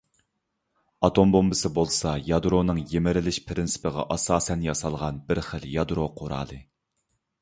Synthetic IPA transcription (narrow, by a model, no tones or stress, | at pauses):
ɑt̪ʰombombɨsɪbolˠsɑjɑd̪ɾonɨŋjemɪɾɪlɪʃpʰɾɪnsɪ̥pɪʁɑ̰ʔɑsɑːsɛnjɑsɑlˠʁɑnbɪɾχəljɑd̪ɾoqʰoɾɑ̰ːlˠɨ